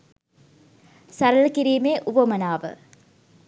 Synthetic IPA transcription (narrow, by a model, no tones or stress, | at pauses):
sɐɾɐlkiɾiːmeːʔuʋɐmɐnaːʋɨ̰